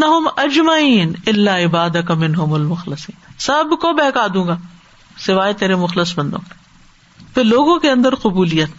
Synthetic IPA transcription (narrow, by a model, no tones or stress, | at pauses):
nːɐɦʊmɐd͡ʒmɐiːnɪlːaːɪbaːd̪ɐkɐmɪnɦʊmʊlmʊxlɪsiːnsɐbkobɛːkaːd̪ũːŋɡaː | sɪʋaːet̪eːɾemʊxlɪsbɐ̃nd̪õ̰ːk | pʰɪɾloːɡõkeɐ̃nd̪əɾqʊbuːlijət̪